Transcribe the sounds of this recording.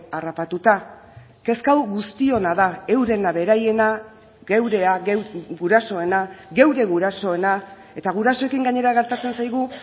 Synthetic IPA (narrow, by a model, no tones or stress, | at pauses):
arapat̪ut̪a | ke̞skawɣust̪io̞naðae̞wɾe̞naβe̞ɾaje̞na | ɣe̞wɾe̞aɡuɾaso̞e̞naɡe̞wɾe̞ɣuɾaso̞e̞na | e̞t̪aɣ̞uɾaso̞e̞kiŋɡaɲe̞ɾaɣe̞ɾt̪at͡se̞nsajɣ̞u